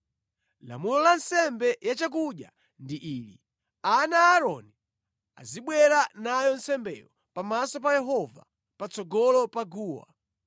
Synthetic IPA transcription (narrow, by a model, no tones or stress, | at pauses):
la̰mulɔlansɛmbɛjat͡ʃak̬uɗja̰ | ndiʔiːlḭ | anaːɾɔni | a̰ziɓwɛɾanajɔnsɛmbɛ̰lɔ | pamasɔpajɛɦɔva̰ | pat͡sɔɡɔlɔpaɡuːwa̰